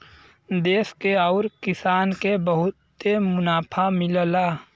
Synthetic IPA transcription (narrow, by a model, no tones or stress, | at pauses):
d̪eːskeɔʊɾkɪsaːnkebəɦʊt̪emʊnaːpʰamɪllaː